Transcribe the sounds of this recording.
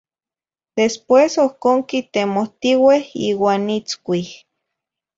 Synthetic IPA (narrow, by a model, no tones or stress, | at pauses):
d̪̥espwesokoːŋkit̪emoht̪iwehiːwaːnit͡skʷih